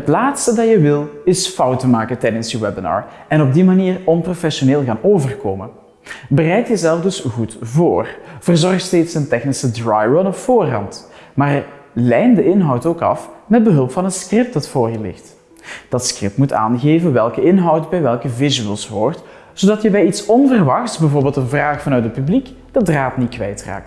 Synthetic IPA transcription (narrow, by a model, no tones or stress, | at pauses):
ɦətlaːtstədɑjəʋɪlˠɪsfɑwtəmaːkətɛjdənsjəwɛbənɑ̰ːɹ | ɛnɔb̚dimaniːrɔnprofɛʃoneːlˠɣaːnoːvərkoːmə | bərɛjtjəzɛlˠfdɵsɣutvoːrv̥ərzɔrxtsteːtsəntɛxnisədɹajɹɔnɔpfoːrɦɑ̰ntmaːr | lɛjndəɪnɦɑwtoːkɑ̰fmɛd̚bəɦɵlˠpfɑnɦətskrɪp̚dɑtfoːrjəlɪ̰xt | d̥ɑtskrɪp̚tmuta̰ːnɣeːvənʋɛlˠkəɪnɦɑwtbɛjʋɛlˠkəvɪzyəlˠsʋɔrt | z̥oːdɑtjəbɛjitsɔnvərʋɑxtsbɛvʊːrbeːlˠtdənvraːxfɑnœɥtdət̚pyblik | d̥ədraːtnitkʋɛjtra̰ːk̚t